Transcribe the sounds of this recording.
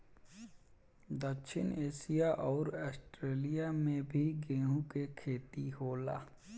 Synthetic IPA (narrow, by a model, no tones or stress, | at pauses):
d̪əkʃʰɪ̰neːʃijaʔɔːɾaːsʈɾeːlijamẽbʱiɡẽːɦũkekʰeːt̪iɦoːlaː